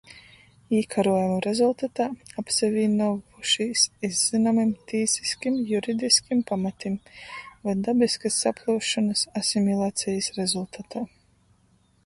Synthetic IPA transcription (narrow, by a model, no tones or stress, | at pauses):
iːkʰaɾuɔjumuɾezulˠt̪at̪aːapsɛvʲiːnɔvuʃisizz̥inamimt̪iːsi̥skimjuɾid̪iskimpamat̪imvajd̪abiskasːapʰlˠuːʃɔnɐsasimʲilˠaːt̪sijisɾezulˠt̪at̪aː